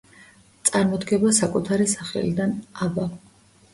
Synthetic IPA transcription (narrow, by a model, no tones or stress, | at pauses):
t̪sʼaɾmɔd̪ɡɛbasakʼut̪ʰaɾisaχɛ̰lid̪anaba